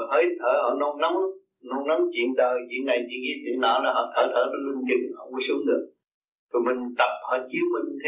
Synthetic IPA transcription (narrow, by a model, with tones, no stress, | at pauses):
ɦəː˨˦jt̪ʰəː˧˩hɔ̰ː˧˩no˧na˨˦m | no˧nna˨˦mt͡ɕwḭ˧˨ənɗəː˨˩t͡ɕwḭ˧˨ənːa˨˩jt͡ɕḭ˧˨əŋḭ˧˥t̪ɨ˨˧˩naː˧˩laː˨˩ɦɔ˧˩t̪ʰəː˧˩t̪ʰəː˧˩na˨˧˦lʊ˧ŋ͡mt͡ɕi˨˩ŋhɔ˧˦ŋu˧˦sɨ˨˦əŋɗɨ˨˩ək̚ | t̪ʰo˨˩jmï˨˩ŋ̟t̪ə˨˩p̚hɔː˧˩t͡ɕi˨˦əwmï˨˩ŋɲ˧t̪ʰe˨˦